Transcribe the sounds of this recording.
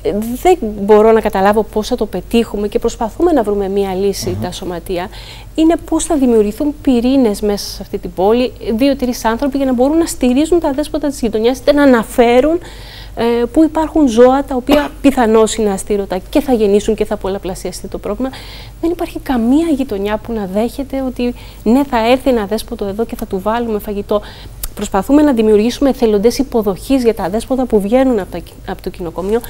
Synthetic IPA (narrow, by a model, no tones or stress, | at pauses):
ðe̞bo̞ɾo̞nɐkɐt̪ɐlɐvo̞po̞sθɐt̪o̞pe̞t̪ixume̞ce̞pɾo̞spɐθume̞nɐvɾume̞miɐlisit̪ɐso̞mɐt̪iɐ | ine̞po̞sθɐðimiuɾʝiθumpiɾine̞zme̞sɐ̥seɐft̪it̪ibo̞liðio̞t̪iɾisɐnθɾo̞piʝɐnɐbo̞ɾunːɐst̪iɾizunt̪ɐðe̞spot̪ɐt̪izʝit̪o̞ɲɐsi̥t̪enɐːnɐfe̞ɾun | puipɐɾxunzo̞ɐt̪ɐopiɐpiθɐno̞sinɐːst̪iɾo̞t̪ɐce̞θɐʝe̞nisuɲceθɐpolɐplɐsiɐst̪it̪o̞pɾo̞vlimɐ | ðe̞nipɐɾçikɐmiɐʝit̪oɲɐpunɐðe̞çe̞t̪e̞o̞t̪i | ne̞θɐe̞ɾθienɐðe̞spo̞t̪oe̞ðo̞ce̞θɐt̪uvɐlume̞fɐʝit̪o̞ | pɾo̞spɐθume̞nɐðimiuɾʝisume̞θe̞lo̞nd̪e̞sipo̞ðo̞çizʝɐt̪ɐðe̞spot̪ɐpuvʝe̞nunɐp | ɐpot̪ocino̞ko̞mio̞